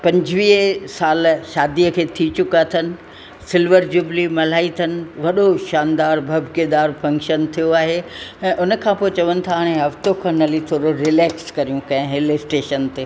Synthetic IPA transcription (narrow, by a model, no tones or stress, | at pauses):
pɐ̃ɲd͡ʑʋiːɦsaːlʃaːd̪iəkʰeːt̪ʰit͡ɕʊkat̪ʰənɪ̆ | sɪlʋəɾd͡ʑʊblimɐl̤aːit̪ʰɐnɪ̆ʋɐɗoʃaːnd̪aːɾbʱɐbʱked̪aːɾfɐ̃ŋkʃənt̪ʰijoaːɦeɛ̃ːʔʊnə̆kʰãpoːet͡ɕɐʋənɪ̆t̪ʰaɦaːɽ̃ẽɦɐft̪okʰãnɐlit̪ʰoːɾoɾɪleːkskɐɾijũkɐ̃ɦɪ̃ɦɪlesʈeːʃənt̪eː